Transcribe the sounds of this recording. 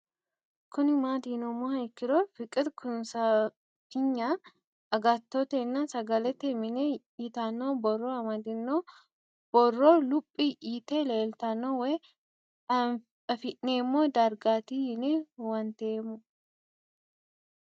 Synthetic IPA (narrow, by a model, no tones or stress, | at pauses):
kʊnɪmaːd̪iːnɔmoɐjkːɪɾofɪkʼɪt̪kʰʊnsa | fɪɲːaː | ɐɡat̪ːoːt̪ɛnːasɐɡɐlɛt̪ːɛmɪne | iːt̪anːoːbɔrːoːɐmɐd̪ɪnːoː | b̥ɔrːoːlʊpʼːiʔiːt̪eleːlt̪ɐnːoːwe | ɐfɪʔneːmːoːd̪ɐɾɡaːt̪iːɪnewɐnt̪eːmːʊ